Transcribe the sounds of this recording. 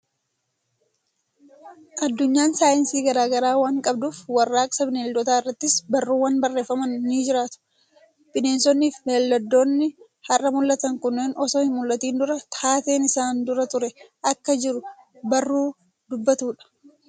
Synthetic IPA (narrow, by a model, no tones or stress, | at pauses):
ʔɐd̪ːʊɲːaːnsaːjɪnsiːɡɐɾaːɡɐɾaːwaːŋkʼɐbd̪uːfwɐrːaːkʼsɐbɪneːld̪ɔt̪aːɪrːɐt̪ːɪsbɐrːuːwɐnbɐrːe̞ːfːɐmɐnːiːd͡ʒɪɾaːt̪ʊ̥ | b̥ɪneːnsɔnːiːfmelːɐd̪ːoːnːɪ | hɐrːɐmʊlːɐt̪ɐŋkʊnːeːnɔsoːhɪnmʊlːɐt̪iːnd̪ʊɾɐt̪ʰaːt̪e̞ːnɪsaːnd̪ʊɾɐt̪ʊɾɛʔɐkːɐd͡ʒɪɾʊ | bɐrːuː | d̪ʊbːɐt̪uːᶑɐ̥